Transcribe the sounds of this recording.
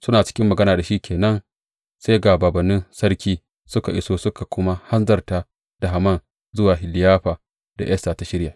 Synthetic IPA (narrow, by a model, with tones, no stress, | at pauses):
sʊ˦naː˨t͡ʃɪ̥˦kʲɪ˦mːɐ˨ɡɐ˦naː˨da˨ʃiː˦kʲʰeː˨nɐ˦n | seː˦ɡaː˨baː˨bɐ˨nːɪ˦nsɐ˦rkʲiː˦ | sʊ˦ka˨ʔɪ˦soː˦sʊ˦ka˨kʷʊ˦ma˦ha˦nzɐ˨rta˨ | d̥a˨ɦa˨mɐ˦˨n | zʊ˦waː˨ɦɪ˨lɪ˨jaː˦ɸa˨ | d̥a̰˨ʔjɐ˦staː˨ta˨ʃɪ˦ɽja˨